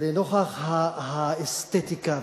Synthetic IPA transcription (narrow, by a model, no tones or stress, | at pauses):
lenoχahahaest̪et̪ika